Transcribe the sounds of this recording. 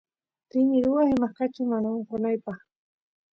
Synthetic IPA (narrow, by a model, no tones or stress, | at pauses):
t̪ɪnɪɾʊwahɪmaχkɑt͡ʃʊmanaoɴqonajpɑχ